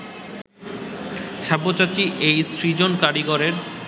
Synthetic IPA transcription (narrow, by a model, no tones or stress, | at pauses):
ʃaɾbːot͡ɕat͡ɕiʔejsɾid͡ʑonkaɾiɡoɾeɾ